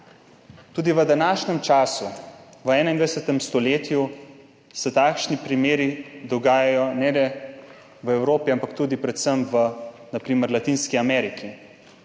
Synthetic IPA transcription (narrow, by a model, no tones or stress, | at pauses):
t̪uːd̪iʋəd̪anaːʃɲɛmt͡ʃaːsuʋəɛːnaind̪ʋajɛsɛt̪ɛmst̪ɔleːt̪ju | sɛt̪aːkʃnipɾimeːɾid̪ɔɡaːjajɔnɛlɛ | ʋəɛwɾoːpiampakt̪uːd̪ipɾɛt̪səmʋənapɾiːməɾlat̪iːnskiamɛːɾikʰi